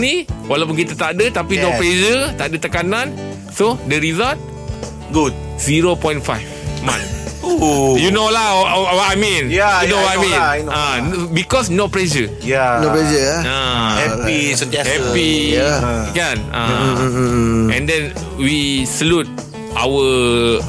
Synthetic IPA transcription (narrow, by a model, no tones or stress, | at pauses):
niwalawp̬unkit̪at̪aʔdət̪apinopled͡ʒət̪aʔdət̪əkanãn | sodəɾizalt̪̚ | ɡut̚ | z̥iɹopɔ̃j̃nfajfmã̰n | junolawɔtajmĩnaunowɔtajmĩnanbikɔsnɔplɛʃə | janopɛd͡ʒəaahɛpisut̪iahsɛpi | kana̰ | ɛ̰̃ndɛ̃n | wisəlut̪̚ | ʔa̰wə